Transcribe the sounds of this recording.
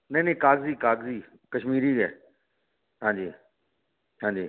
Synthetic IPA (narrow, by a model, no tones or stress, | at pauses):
nɐnẽːkaːɡziːkaːɡziː | kɐʃmiːɾiɡɛː | ɦãːɲd͡ʑiː | hãːɲd͡ʑiː